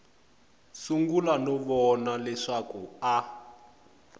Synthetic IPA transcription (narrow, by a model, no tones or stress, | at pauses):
suŋɡulanɔβɔnalɛʂakua